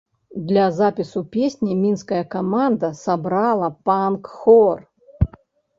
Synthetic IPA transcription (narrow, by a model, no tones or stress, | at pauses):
d̪lʲɐzapʲisupʲesʲnʲimʲinskɐjɐkamand̪ɐsabɾalˠɐpankxɔr